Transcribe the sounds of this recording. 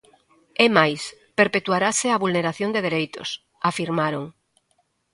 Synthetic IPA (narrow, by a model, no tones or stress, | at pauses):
emajspeɾpet̪uaɾaseaβulneɾaθjond̪eðeɾejt̪o̰s | afiɾmaɾoŋ